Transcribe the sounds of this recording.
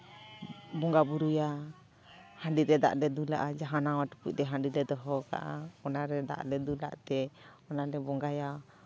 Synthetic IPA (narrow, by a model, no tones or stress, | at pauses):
bɔŋɡabuɾuja | haɳɖiɾɛd̪a̰ʔlɛd̪ula̰ʔad͡ʒaɦanawaʈu̥pṵc̚ˀt̪ɛɦãɳɖilɛd̪ɔɦɔka̰ʔaɔnaɾɛd̪a̰ʔlɛd̪ula̰ʔt̪ɛɔnalɛbɔŋɡaja